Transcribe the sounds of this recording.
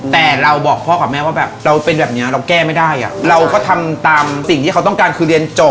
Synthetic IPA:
t̪ɛː˨˩ɾa˧wbɔː˨˩k̚pʰɔː˥˩kaː˨˩p̚mɛː˥˩waː˥˩bɛː˨˩p̚ɾa˧wpe˧nbɛː˨˩p̚ni˦˥ɐɾa˧wkɛː˥˩ma˥˩jdaː˥˩jʔa̰˨˩ɾa˧wkɔː˥˩t̪ʰa˧mt̪aː˧msi˨˩ŋʰiː˥˩a˦t̪ɔ˥˩ŋkaː˧nkʰɯː˧ɾi˧ənt͡ɕo˨˩

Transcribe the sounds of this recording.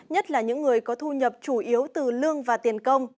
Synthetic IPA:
ɲə˦˥t̚laː˨˩ɲɨ̰˧˥ŋːɨ˨˩əjkɔ˨˦t̪ʰu˧ɲə˨˩p̚t͡ɕu˧˩ʔi˨˦əwt̪ɨ˨˩lɨ˧əŋvaː˨˩t̪i˨˩ənkə˧wŋ͡m

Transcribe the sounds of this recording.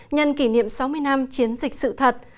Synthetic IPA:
ɲə˧nki˧˩nḭ˧˨əmsa˨˦wmɨ˧əjna˧mt͡ɕi˨˦ənzï˨˩k̟̚sɨ̰˧˨t̪ʰə˨˩t̚

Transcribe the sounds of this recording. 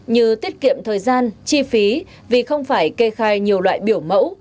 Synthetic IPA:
ɲɨ˧t̪i˦˥ət̚kḭ˧˨əmt̪ʰəː˨˩jzaː˧nt͡ɕi˧fi˨˦ | vi˨˩xə˧wŋ͡mfaː˧˩jke˧xaː˧jɲi˨˩əwlwa̰ː˧˨jɓi˧˩əwmə̰˧˥w

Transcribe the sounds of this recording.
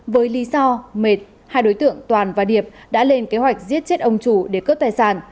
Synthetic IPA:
vəː˨˦jli˨˦zɔ˧me˨˩t̚ | haː˧jɗo˨˦jt̪ɨ̰˧˨əŋt̪waː˨˩nvaː˨˩ɗi˨˩əp̚ | ɗa̰ː˧˥le˧nke˨˦ɦwa˨˩jk̟̚zi˦˥ət̚t͡ɕe˦˥t̚ʔə˧wŋ͡mt͡ɕu˧˩ɗe˧˩kəː˦˥p̚t̪aː˨˩jsaː˧˩n

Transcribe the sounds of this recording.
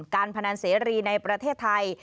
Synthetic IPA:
kaː˧npʰa˧na˧nseː˩˦ɾiː˧na˧jpɾa˧t̪ʰeː˥˩t̪ʰːa˧j

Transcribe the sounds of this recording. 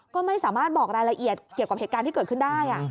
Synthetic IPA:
kɔː˥˩ma˥˩jsaː˩˦maː˥˩t̪̚bɔː˨˩k̚ɾaː˧jɾa˧ʔi˨˩ət̪̚kːi˨˩əwka˨˩phe˨˩t̪̚kaː˧nt̪i˥kɤː˨˩t̪̚kʰɯ˥˩ndaː˥˩jʔa˨˩

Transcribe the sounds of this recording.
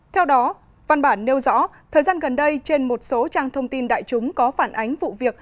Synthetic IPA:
t̪ʰɛ˧wɗɔ˨˦ | va˧nɓaː˧˩nːe˧wzɔ̰˧˥t̪ʰəː˨˩jzaː˧nɣə˨˩nɗə˧jt͡ɕe˧nmo˨˩t̚so˨˦t͡ɕaː˧ŋt̪ʰə˧wŋ͡mt̪i˧nɗa̰ː˧˨jt͡ɕʊ˨˦ŋ͡mkɔ˨˦faː˧˩nʔa˨˦jŋ̟vṵ˧˨vi˨˩ək̚

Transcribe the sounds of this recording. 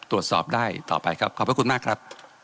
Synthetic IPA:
t̪ɾu˨˩ət̪sɔ̰ː˨˩p̚daː˥˩jt̪ɔ̰ː˨˩pa˧jkʰɾa˦˥p̚kʰɔː˨˩pɾkʰu˧nmaː˥˩kʰɾa˦˥p̚

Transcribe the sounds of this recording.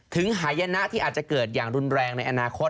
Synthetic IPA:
t̪ʰɯ˩˦ŋɦaː˩˦jːa˧na˦˥ʔt̪ʰiː˥˩aː˨˩t̪̚t͡ɕa˨˩kɤː˨˩t̪̚jaː˨˩ŋɾu˧nɾɛː˧ŋna˧jʔa˧naː˧kʰo˦˥t̚

